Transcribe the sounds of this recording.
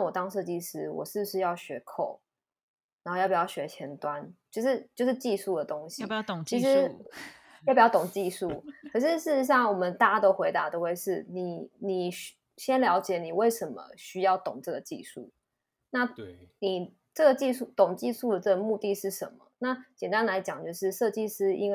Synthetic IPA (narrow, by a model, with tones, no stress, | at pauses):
a˥˩wɔ˨˩t̪ɑ˥ŋʂɤ˥˧t͡ɕi˥˧ʂɻ̩˧˥wɔ̰˨˩ʂɻ̩˥˩b̩˧ʂɻ̩˥˧jɑ˥˩ʊɕɥɛ˧˥kʰo̰˥˩ʊ | ɻa˨˧˥xjpi˨˩jʊɕɥɛ˧˥t͡ɕʰjɛ˧˥nt̪wa˦nt͡ɕjo˥˧ʊʂɻ̩˥˧t͡ɕjo˥˧ʊʂ̬ɻ̩˥˧t͡ɕi˥˧ʂu˥˩d̪ə˩t̪o˥ŋɕi˨t͡ɕʰi˧˥ʂ̬ɻ̩˦˥ | jpi˨˩˥ʊt̪ʊ˨˩ŋt͡ɕi˥˧ʂu˥˨˩kʰɤ˨˩ʂ̬ɻ̩˥˧ʂɻ̩˥˩ʂɻ̩˧˩ʂ̬ɑ˥˩ŋwɔ˨˩mə˦nt̪a˥˩t͡ɕa˥t̪o˥ʊxwe˧˥ɪt̪a˧˥t̪o˧ʊwe˥˧ɪʂɻ̩˥˩ni˨˩ni˨˩ɕ | ɕjɛ˦nljɑ˧˥ʊt͡ɕjɛ˨˩˦ni˨˩we˥˩ɪʂə˧˥nmə̰˨˩ɕy˥jɑ˥˩ʊt̪ʊ̰˨˩ŋʈ͡ʂɤ˥˩ɡə˩t͡ɕḭ˥˧ʂṵ˥˩ | na˥˧ni˨˩ | ʈ͡ʂɤ˥˩ɡə˩t͡ɕi˥˧ʂu˥˩t̪ʊ˨˩ŋt͡ɕi˥˧ʂu˥˩d̪ə˩ʈ͡ʂɤ˥˩ɡə˩mu˥˧t̪i˥˧ʂɻ̩˥˩ʂə̰˧˦nmə̰˨˩na˥˩t͡ɕjɛ˨˩nt̪a˦˥nla˧˥ɪt͡ɕjɑ˨˩˦ŋt͡ɕjo˥˧ʊʂɻ̩˥˧ʂɤ˥˧t͡ɕi˥˧ʂɻ̩˥ḭ˥nwe˥˩